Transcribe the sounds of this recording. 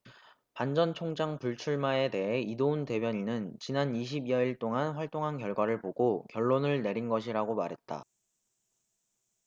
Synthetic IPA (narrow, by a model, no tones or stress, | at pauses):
pand͡ʑʌnt͡ɕʰoŋd͡ʑaŋpuɭt͡ɕʰuɭmae̞de̞ɦe̞idounte̞bjʌɲinɯnt͡ɕinaniɕ̬ʰibijʌiɭt͈oŋanɸwaɭt͈oŋɦankjʌɭɡwaɾɯɭpoɡokjʌɭːonɯɭne̞ɾinɡʌɕ̬ʰiɾaɡomaɾɦe̞t̚t͈a̰